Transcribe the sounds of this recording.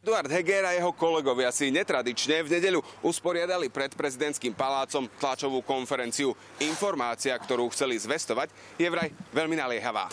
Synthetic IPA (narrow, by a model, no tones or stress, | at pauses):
ɛd̪uaɾd̪ɦɛɡɛɾajɛɦɔkɔlɛɡɔʋɪasiɲɛt̪ɾad̪it͡ʃɲɛvɲɛɟɛʎuuspɔɾɪad̪alipɾɛt̪pɾɛzid̪ɛnt̪skiːmpalaːt͡sɔmt̪lat͡ʃɔʋuːkɔnfɛɾɛnt͡siu | infɔɾmaːt͡siakt̪ɔɾuːxt͡sɛlizʋɛst̪ɔʋaɟ | jɛʋɾajʋɛʎminalɪɛɦaʋa̰ː